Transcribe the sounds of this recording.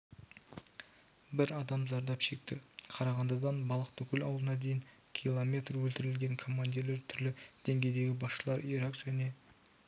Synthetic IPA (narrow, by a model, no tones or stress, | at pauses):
bɪɾɑd̪ɑmzɑɾd̪ɑpʃe̞k̚t̪ɪqʰɑɾɑʁɑnd̪əd̪ɑnbɑlˠəqt̪ɵkʲɪlɑwlˠənɑd̪e̞jɪŋ | kʲʰilˠomʲe̞t̪rwɵlt̪ɪɾɪlɡʲe̞ŋkʰo̞mːand̪ijle̞ɾt̪ʰʏɾlɪd̪̥e̞ŋɡʲe̞jd̪e̞ɡʲɪbɑsʃəlˠɑɾiɾakʒ̥ane̞